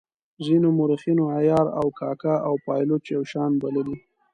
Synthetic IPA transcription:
zinomʊɾixinoajɑɾa̰wkɑkaawpɑjlot͡ʃjawʃɑnbaləli

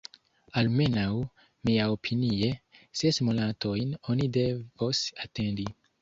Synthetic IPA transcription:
alme̞naw | miaopʰinie̞sesmonatʰo̞jno̞nide̞vo̞sate̞ndi

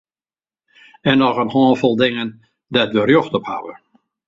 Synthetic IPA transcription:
ɛnɔɣənhɔːnfɔlˠdɪŋən | dɛtʋərjɔxtɔpha̰ʋə̰

